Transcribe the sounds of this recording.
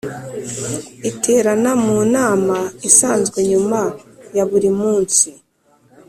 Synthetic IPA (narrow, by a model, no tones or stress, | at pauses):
itʰe̞ːɾanamuːnaːmaisaːnzɡweɲumajaβuɾimuːnsi